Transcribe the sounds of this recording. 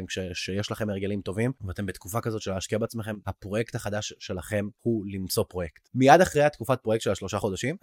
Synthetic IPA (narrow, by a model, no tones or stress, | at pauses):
mkʃeʃejeʃlaχe̞meɡe̞limt̪o̞vimvat̪e̞mbet̪kufakazo̞t̪ʃeleaʃkiabeat͡smeχe̞mhapʁo̞jekt̪haχadaʃːe̞laχe̞mhulimt͡so̞pʁo̞jekt̪mijad̪aχʁejat̪kufat̚pʁoekt̪ʃelaʃlo̞ʃaχo̞daʃim